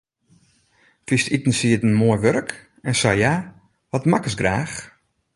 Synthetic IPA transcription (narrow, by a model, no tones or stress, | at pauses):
fistitn̩siətən̩moəjʋøɾk | ɛnsɔja | ʋɔtmakəsɡraːx